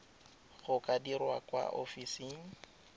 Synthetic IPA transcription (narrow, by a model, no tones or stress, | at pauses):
ɣʊkʼadiɾwakʼwa̰ʔofisiːŋ̩